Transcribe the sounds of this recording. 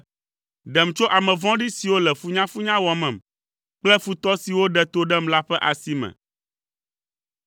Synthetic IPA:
ɖɛ˨m˨t͡ʃo˦ʔa˨mɛ̃˨vɔ̃˦ɖi˦si˨wo˦lɛ˨fu˦ɲã˦fu˦ɲã˦wɔ˨mɛ̃˨m | k͡plɛ˦fu˨t̪ɔ˦si˨wo˦ɖɛ˦t̪o˦ɖɛ˦m̩la˦ɸɛ˦ʔa˨si˦mɛ̰̃˨

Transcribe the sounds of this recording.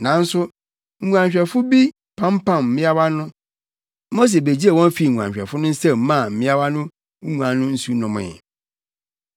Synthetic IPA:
nã˨n̩˦sʊ˦ | ŋ̩˨˦ũ˨ã˨ɲ˨ɕᶣɛ˨fʊ˦bi˦ | pʰã˦m˦pʰã˦˨mm̩˨mɪ̃˦a˦ba˦nʊ̃˦ | mo˦s̬ɛ˨be˨d͡ʑi˦ɛ˨wɔ̃˦n˦fi˨ŋũ˨ã˨ɲɕᶣɛ˨fʊ˦nʊ̃˦n̩˦sɛ˦m̩˦mã˦˨m̩˨mɪ̃˦a˦ba˦nʊ̃˦ | ŋũ˨ã˨nʊ̃˦n̩˦su˦nɔ̃˨mɪ̰̃˨

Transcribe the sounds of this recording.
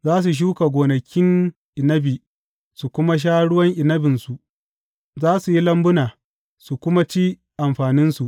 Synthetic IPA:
zaː˦s̬u˨ʃ̬uː˦ka˨ɡʷoː˨nɐ˨kʲɪ˦ŋ | ʔɪ˨nɐ˦biː˨ | su˨kʷʊ˦ma˦ʃ̬aː˦ɽʊ˦wɐ˦ŋʔɪ˨nɐ˦bɪ˨nsu˨ʔ | zaː˦su˨ji˦lɐ˦mbʊ˦naː˨ | su˨kʷʊ˦ma˦t͡ʃiː˦ | ʔa˨mɸaː˨nɪ˦nsu˨ʔ

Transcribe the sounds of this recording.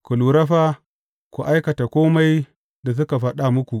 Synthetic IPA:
ku˨lu˨ɾɐ˦ɸa˦ | kʷṵ˨ʔa˦jkɐ˨ta˨kʷoː˦ma˦j | da˨s̬ʊ˦ka˨ɸɐ˦ɗa˦mʊ˦kʷu˨

